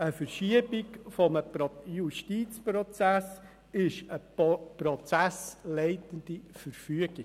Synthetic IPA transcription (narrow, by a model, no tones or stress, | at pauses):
əfəɾʃiəbɪkfɔməpjuʃtiːt͡sprɔt͡sæs | ɪʃəprɔt͡sæslɛɪtənd̥̪ifəɾfyəɡ̥ɪ